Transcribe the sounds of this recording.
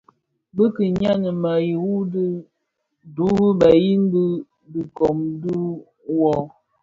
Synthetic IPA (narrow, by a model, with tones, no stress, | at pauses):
bə˦kə˨ɲa˦nə˨ma˨ji˨wu˦də˦ | du˨˦hə˦ba˨ji˦n˦bə˦ | di˨kɔ˨mdu˦ | wɔ˦